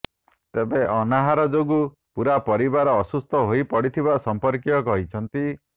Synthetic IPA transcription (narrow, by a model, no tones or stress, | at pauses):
t̪ebeʔɔnaɦaɾɔd͡ʒoɡu | puɾapɔɾibaɾɔːsust̪ʰɔɦojpɔɽit̪ʰibasɔmpɔɾkjɔkɔɦit͡ʃʰɔnt̪i